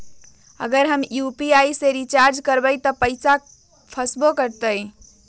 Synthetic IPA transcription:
ə̰ɡəɾɦəmjupiajseɾit͡ʃaɾd͡ʒkəɾbəɪt̪ɔpəɪsa | pʰəsbokəɾt̪əj

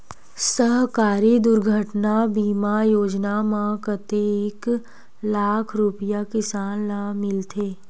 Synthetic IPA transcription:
səɦkaːɾid̪ʊɾɡʱəʈnabiːmajoːd͡ʒnamãkət̪eeːk | laːkʰɾʊpɪjakɪsaːnːamɪlt̪ʰeː

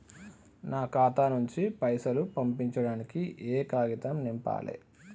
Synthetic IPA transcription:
naːkaːt̪aːnuɲt͡ʃipɐjsɐlupɐmpiɲt͡ʃɐɽaːnikiʔeːkaːɡit̪ɐmnimpa̰ːlḛ

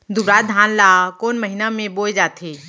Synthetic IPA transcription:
d̪ʊbɾaːt̪̚d̪ʱaːnlaːkoːnməɦɪnamẽboːjd͡ʒaːt̪ʰeː

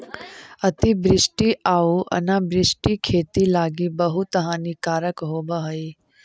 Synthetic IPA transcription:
ɐt̪ibɾɪsʈiʔaːuʔɐ̰nabɾɪsʈikʰeːt̪ilaːɡibɐɦut̪ɐɦãːnikaːɾəkɦoːbaɦɐi

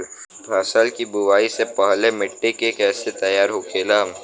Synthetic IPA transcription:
bʱaːsaːlkibʊʋaːisepɐɦlemɪʈːekekɛːset̪ɐjaːɾɦoːkʰeːlam

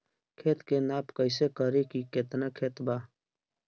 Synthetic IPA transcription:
kʰeːt̪keːnaːpkəjseːkəɾekiːket̪nakʰeːt̪baː

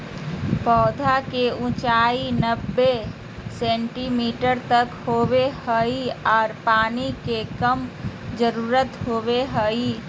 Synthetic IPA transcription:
pɔːd̪ʱakeũt͡ʃaːinəbːe | sẽɳʈimiːʈəɾt̪əkhobehəiɔːɾpaːnikekəm | d͡ʒəɾuːɾət̪hoːbeɦəi

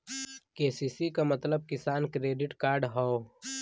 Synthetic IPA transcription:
keːsiːsikamɐt̪ləb̚kɪsaːnkɾeːɖɪʈkaːɾɖɦao

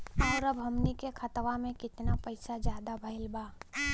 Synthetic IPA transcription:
ɔːɾəbʱɐmnikekʰət̪ʋamẽkɪt̪napəɪsad͡ʒjaːd̪abʱəɪlbaː

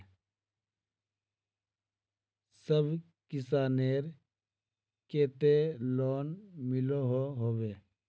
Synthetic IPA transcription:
səbʱ | kɪsaːneːɾ | keːt̪eːloːnmɪloɦoɦoːʋeː

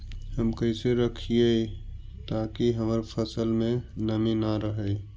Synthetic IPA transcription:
həmkəɪseɾəkʰie | t̪akiɦəməɾpʰəsəlmẽnəminaɾəɦəj

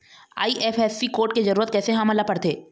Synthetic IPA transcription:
a̰ːiʔɛːfʰɛːsːikoːɾʈ̚kezɐɾuːɾət̪̚kɛːseɦãmɐlapɐɽt̪eː

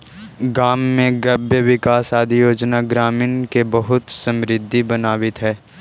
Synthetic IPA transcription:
ɡaːmːẽɡɐbjəʋɪkaːsaːd̪ʱijoːd͡ʒnaɡɾaːmiːnkebɐɦʊt̪sɐ̃mɾɪd̪ʱːibɐnaːʋɪt̪ɦɛː

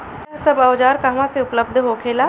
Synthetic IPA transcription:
sɐbɐʋd͡ʒaːɾkaːmãseʊpləb̚d̪ʱɦoːkʰeːlaː

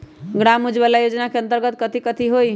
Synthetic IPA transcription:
ɡɽamud͡ʒbəlajod͡ʒnakeə̃nt̪əɾɡət̪̚kət̪ʰikət̪ʰiɦoi

